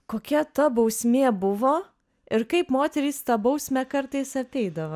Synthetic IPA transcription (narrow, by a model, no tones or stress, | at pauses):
koːkʲɛt̪ɐbɐʊsʲmʲeːbʊʋoː | ɪɾkɐɪpmoːt̪ʲɛɾʲiːst̪ɐbɐʊsʲmʲɛkɐɾt̪ɐɪsɐt̪ʲɛɪd̪ɐʋɐ